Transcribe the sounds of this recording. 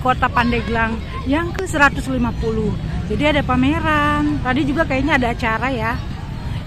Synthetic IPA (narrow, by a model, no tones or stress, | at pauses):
kot̪apandɛɡlaŋ | jaŋkəsəɾat̪ʊslimapulʊhd͡ʒadiadapameɾant̪adid͡ʒuɡakajaɲaːdaːt͡ʃaɾaja